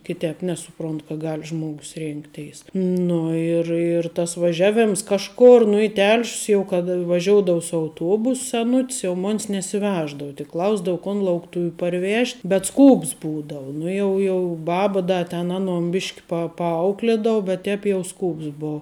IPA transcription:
kʲɪˈtʲɛːp ˈnʲæːsʊˌproːnt kɐ ˈɡɐlʲ ˈʒmoːɡʊs ˈrʲeːŋktʲɛɪs ˈnʊ ɪr ɪr ˈtɐs ʋɐˈʒʲæːˌʋʲeːms ˈkɑːʃˌkoːr nʊ ɪ ˈtʲɛlʲʃʲs jɛʊ kɐt ʋɐˈʒʲoːʊdoːʊ sʊ ɐʊˈtuɔbʊs sʲɛˈnʊtʲs jɛʊ ˈmoːnʲs nʲɛsʲɪˈʋʲæːʒdɐʊ tʲɪk ˈklˠɐʊzdɐʋʊ koːn lˠɐʊkˈtʊʋʲʊ pɐrʲˈʋʲeːʃʲtʲ bʲɛt ˈskuːps ˈbuːdɐʊ ˈnʊ jɛʊ ˈjɛʊ ˈbɑːbɐ ˈdɐ tʲɛn ˈɑːˌnoːn ˈbʲɪʃʲkʲ pɐ pɐˈɐʊklʲeːdoːʊ bʲɛt ˈtʲɛːp jɛʊ ˈskuːps ˈboːʊ

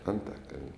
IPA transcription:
ɐnˈtɑːkɐlʲn

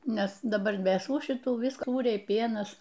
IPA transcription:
ˈnʲɛs dɐˈbɐr ʋʲeːsuː ʃʲɪˈtuː ʋʲɪsk ˈsuːrʲɛɪ ˈpʲiɛnɐs

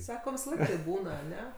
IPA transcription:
ˈsɑːkoː ʋʲɪsɐˈlˠɐɪk tɐɪp ˈbuːnɐ ɐˈnʲɛ

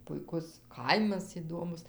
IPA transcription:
pʊɪˈkʊs ˈkɐɪmɐs ɪˈdoːmʊs

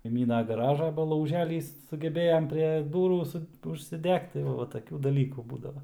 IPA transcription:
kɐɪˈmʲiːnɐ ɡɐˈrɑːʒɑː ˈbɐ lˠɐʊˈʒʲæːlʲiːs sʊɡʲɛˈbʲeːjɛm pʲrʲiɛ ˈduːruː ˈsʊ ʊʃʲsʲɪˈdʲɛkt tɐɪ ˈʋɐ ʋɐ tɐˈkʲuː dɐˈlʲiːkuː ˈbuːdɐʋɐ

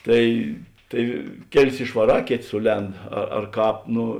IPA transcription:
ˈtɐɪ ˈtɐɪ ˈkʲæːˌlʲɪs ɪʃʋɐˈrɑː ˈkʲeːˌtʲeː ˈsʊˌlʲɛnt ɐ ɐr ˈkɑːp ˈnoː

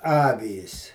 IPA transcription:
ˈɑːʋʲiːs

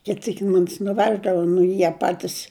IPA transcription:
ˈkʲɪt ˈsʲiːk ˈmʊmʲɪs nʊˈʋʲæːʒdɐʋɐ nʊ ɪ ˈjiɛ ˈpɑːtʲɪs

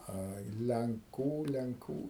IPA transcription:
ˈɐɪ lʲɛŋˈkuː lʲɛŋˈkuː

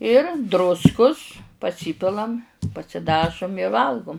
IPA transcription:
ɪr ˈdrʊskʊs pɐˈsʲiːpʲɪlˠɐm pɐsʲɪˈdɑːʒʊm ɪ ˈʋɐlˠɡʊm

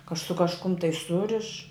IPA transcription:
kɐ sʊ kɐʃˈkʊm tɐɪ ˈsʊrʲɪʃ

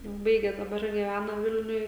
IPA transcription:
ˈbɐɪɡʲeː dɐˈbɐr ɡʲiːˈʋʲænɐ ˈʋʲɪlʲnʲʊj

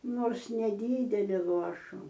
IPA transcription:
ˈnoːrs nʲɛˈdʲiːdʲɛlʲɪ ˈlˠuɔʃʊ

